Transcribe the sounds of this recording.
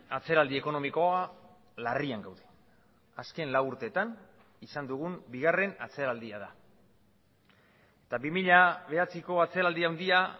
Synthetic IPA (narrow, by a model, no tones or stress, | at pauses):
at͡se̞ɾald̪ie̞ko̞no̞miko̞a | lariaŋɡawðe | aske̞nlawuɾt̪e̞ːt̪an | isand̪uɣ̞umbiɣare̞nat͡se̞ɾald̪iaða | et̪abimiʎaβe̞at͡siko̞at͡se̞ɾald̪iawnd̪ia